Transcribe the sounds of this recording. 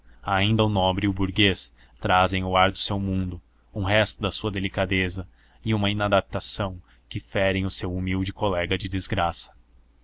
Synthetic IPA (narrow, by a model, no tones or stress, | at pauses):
aĩnd̪ɐʊnõbɾɪʊbuɾɡes | t̪ɾazẽj̃ʊaɾd̪ʊsewmũnd̪ʊ | ũɦɛst̪ʊd̪ɐsuɐd̪elikad̪ezɐ | ɪũmɐĩnad̪ap̚t̪asɐ̃w̃ | kɪfɛɾẽj̃ʊsewumiwd͡ʒɪkolɛɡɐd͡ʒɪd̪ɪzɡɾasɐ̥